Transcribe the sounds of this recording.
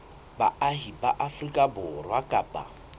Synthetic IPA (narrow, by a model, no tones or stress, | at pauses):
ba̰aɦibaʔafrikʼabʊrwakʼaːpʼa̰